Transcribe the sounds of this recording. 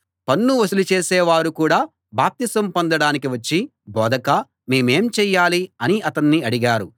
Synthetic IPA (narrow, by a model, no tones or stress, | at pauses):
pɐnːuʋɐsulut͡ʃeːsɛːʋaːɾukuːɽaː | baːp̚t̪isɐmpond̪ɐɽaːnikiʋɐt͡ʃːi | bɔːd̪ɐkaː | meːme̞ːmt͡ʃɛːjːaːliɐniɐt̪ɐnːiɐɽiɡaːɾu